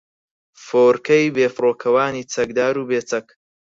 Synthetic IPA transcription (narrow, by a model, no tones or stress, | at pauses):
foːɾkɐjbeːfɾoːkʰɐwaːniːt͡sʰɐk̚d̪aːɾuːbeːt͡sɐk